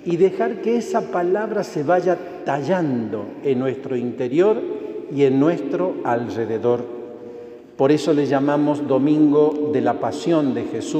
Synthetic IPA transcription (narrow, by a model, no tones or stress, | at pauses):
iðe̞xaɾkeesapalaβɾaseβaʒa | t̪aʒand̪o̞enːwest̪ɾo̞int̪eɾjo̞ɾienːwe̞st̪ɾo̞alreðeðo̞ɾ | po̞ɾe̞so̞leʒamamo̞zðo̞mĩŋɡo̞ðelapasjo̞nd̪exesu